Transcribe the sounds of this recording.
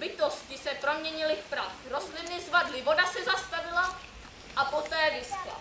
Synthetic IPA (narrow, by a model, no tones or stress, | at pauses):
bɪt̪oscɪsɛpɾomɲɛɲɪlɪfpɾaxɾozlɪnnɪzvadlɪvodasɛzast̪avɪla | ʔapot̪ɛːvɪscɛ̰